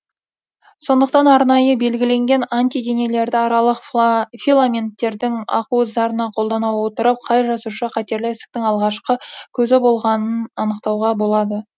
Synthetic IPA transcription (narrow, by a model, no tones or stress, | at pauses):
so̞nd̪əqt̪ɑnɑɾnɑjəbe̞lɡʲɪle̞ŋɡʲe̞nant̪ijd̪e̞nele̞ɾd̪ɪɑɾɑlˠəqfʲilˠamʲe̞nt̪ːe̞ɾd̪ɪŋɑ̰quzɑɾənɑqʰo̞lˠd̪ɑnɑwwo̞t̪əɾəp̚qʰɑjʒɑsuʃəqʰɑt̪e̞ɾlɪesɪ̥k̚t̪ɪŋɑlˠʁɑʃqəkʲʰɵzɪbo̞lˠʁɑnənɑnəqt̪ɑwʁɑbo̞lˠɑd̪ə